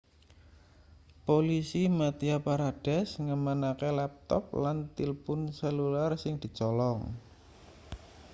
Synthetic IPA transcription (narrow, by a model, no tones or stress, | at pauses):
polisimat̪iapaɾad̥ɛsŋəmanakelɛp̚t̪ɔ̰p̚lant̪ilpʊnsəlularsɪŋd̪̥i̤t͡ʃɔlɔŋ